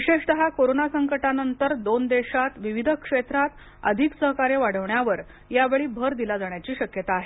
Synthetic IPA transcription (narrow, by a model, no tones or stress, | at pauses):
ʋiɕeʂd̪əɦakoɾonasəŋkəʈanənt̪əɾd̪ond̪eɕat̪ʋiʋid̪ʱəkʂet̪ɾat̪ | ə̰d̪ʱiksəɦkaɾeʋaɽ̤əʋɳjaʋəɾ | jaʋeɭiːbʱəɾd̪ilad͡zaɳjat͡ɕiːɕəkjət̪aːɦe